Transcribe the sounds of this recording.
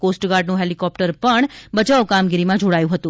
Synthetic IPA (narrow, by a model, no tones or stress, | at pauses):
kosʈɡaɾɖnũɦelikɔp̚ʈəɾpəɳbəd͡ʒaokamɡiɾimãd͡ʒoɽajũɦət̪ũ